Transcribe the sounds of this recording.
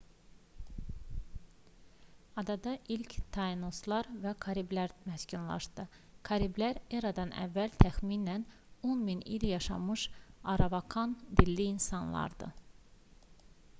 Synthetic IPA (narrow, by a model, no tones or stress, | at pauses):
ɑd̪ɑd̪ɑʔilct̪ʰɑino̞slˠɑɾvækʰɑɾiblæɾmæscynlˠɑ̰ʃt̪ɯ | kʰɑɾiblæɾeɾɑd̪ɑnæ̰vːælt̪ʰæxminæn | onminiljɑʃɑ̰mɯʃɑɾɑvɑkʰɑnd̪ilːiːnsɑnlˠɑ̰ɾd̪ɯ̰